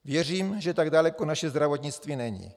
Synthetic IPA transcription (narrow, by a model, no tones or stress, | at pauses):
vjɛr̝iːmʒɛt̪aɡdalɛkonaʃɛzd̪ɾavot̪ɲɪt͡st̪viːnɛɲḭ